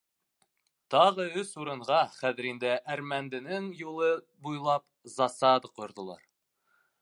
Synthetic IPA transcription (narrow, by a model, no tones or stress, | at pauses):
t̪ɑʁɤɵsuɾɤ̆ɴʁɑχæðɘ̆ɾind̪ɘʔæɾmænd̪ɘ̆nɘŋjulˠɤ | bujlˠɑp̚ | zɑsɑd̪ɤqŏjŏɾðŏlˠɑ̰ɾ